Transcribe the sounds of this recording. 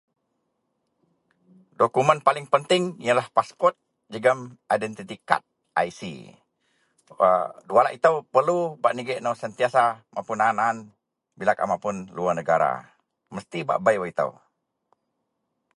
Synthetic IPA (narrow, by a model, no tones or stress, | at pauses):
dokumənpalɪŋpənt̪ɪŋijəlahpaspɔrt̪̚ | d͡ʒəɡəmajdɛnt̪it̪ika̰t̪̚ | ʔa̰jsḭ | ədualaʔit̪əwpərlubaʔniɡɛʔnowsənt̪iasamʔapʊnaːnaːn | bilaka̰mapʊnluanəɡaɾa̰ | məst̪iba̰ʔbajwait̪ə̰w